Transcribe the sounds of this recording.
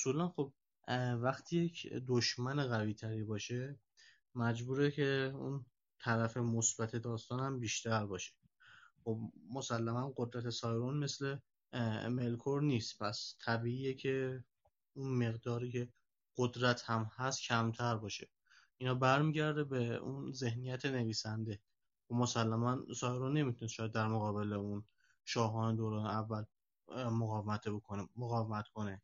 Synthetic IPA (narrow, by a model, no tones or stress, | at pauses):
osuːlænχo̞b̥̚ | væχt̪ʰiːjecʰd̪oʃmæneɣæviːt̪ʰæɾiːbɒːʃe̞ | mæd͡ʒbuːɾekʰe̞ṵn | t̪ʰæɾæfe̞mosbæt̪ʰe̞d̪ɒːst̪ɒːnhæmbiːʃt̪æɾbɒːʃe̥ | xo̞b̚mo̞sælːæmænɢo̞d̪ɾæt̪ʰesɒːjɾonme̞sle̞ | me̞lkʰoɾniːst̪pʰæst̪ʰæbiːiːjecʰe̞ | unme̞ɣd̪ɒːɾiːcʰe̞ | ɢ̥od̪ɾæt̪hæmhæst̪cʰæmt̪ʰæɾbɒːʃḛ | inhɒːbæɾmiːɟæɾd̪ebe̞unze̞hnijæt̪ʰene̞viːsænd̪e̞ | omosælːæmænsɒːjɾonːe̞mit̪ʰunest̪ʃɒːjæd̪d̪æɾmoɣɒːbe̞le̞un | ʃɒːɦɒːned̪oːɾɒːneævːæl | moɣɒːvemæt̪ʰebokʰonemoɣɒːvemæt̪kʰo̞ne